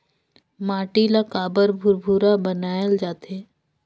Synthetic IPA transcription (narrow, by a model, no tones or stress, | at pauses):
maːʈilakaːbəɾbʱʊɾbʱuɾabənaːjəld͡ʒaːt̪ʰeː